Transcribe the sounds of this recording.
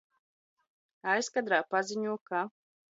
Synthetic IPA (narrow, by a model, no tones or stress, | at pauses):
ajskad̪ɾaːpaziɲuɔka